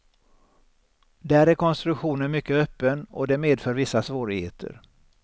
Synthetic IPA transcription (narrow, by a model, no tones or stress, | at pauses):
d̪æɾɛɾkʰɔnst̪ɾɵkɧuːnənmʏkːəœpːənɔ̰d̪ɛmeːd̪fœːɾvɪsːasvoːɾɪɡhḛːt̪ʰə̰ɾ